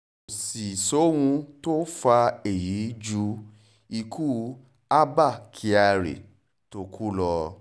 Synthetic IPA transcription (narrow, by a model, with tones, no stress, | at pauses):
si˨so˨˦wũ˧to˦fa˧e˨ji˨˦d͡ʒu˧˦ | i˧kʰu˦ | a˦ba˦˨kʰi˧a˧ɾḛ˨ | to˧˦kʰu˦lɔ˧